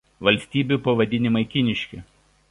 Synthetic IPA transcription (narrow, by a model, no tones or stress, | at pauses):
ʋɐlʲsʲt̪ʲiːbʲuˑpɐʋɐd̪ʲɪnʲɪmɐɪkʲɪnʲɪʃʲkʲɪ